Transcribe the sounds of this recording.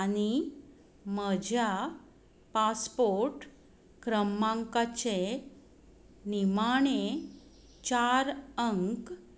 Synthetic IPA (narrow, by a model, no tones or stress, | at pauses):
añi | məd͡ʑʱja | paspoɾʈ | kɾəmːaŋkat͡ɕe | nimaɳ̃e | t͡ɕaɾəŋk